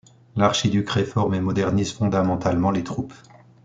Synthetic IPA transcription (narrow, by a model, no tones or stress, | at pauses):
laʁʃid̪ykʁefɔʁmemɔd̪ɛʁnizfɔ̃d̪amɑ̃t̪almɑ̃let̪χup